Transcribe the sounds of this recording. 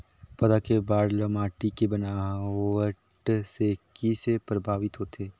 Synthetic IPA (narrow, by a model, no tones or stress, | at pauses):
pɐd̪akebaːɾləmaːʈikebɐnaːʋə | ʈsekisepɾəbʱaːʋɪt̪ɦoːt̪ʰeː